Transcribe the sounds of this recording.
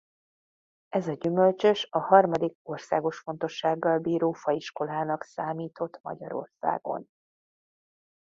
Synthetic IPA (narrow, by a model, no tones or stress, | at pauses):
ɛzɒɟymø̞lt͡ʃøʃɒhɒrmɒd̪iko̞rsa̰ːɡo̞ʃfo̞nt̪o̞ʃːaːɡːɒlbiːɾoːfɒiʃko̞laːnɒksaːmiːt̪o̞t̪mɒ̰ɟɒ̰ɾo̞̰rsa̰ːɡ̥o̞̰n